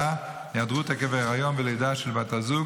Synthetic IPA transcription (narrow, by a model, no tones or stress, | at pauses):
a | nadʁutakeveʁajonbelejdaʃɛlbatazu